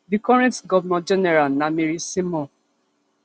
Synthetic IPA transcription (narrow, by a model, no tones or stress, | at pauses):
dikɔɹɛ̃ntɡɔvmɛ̃d͡ʒɛnɛɹalnameɾisimɔ̃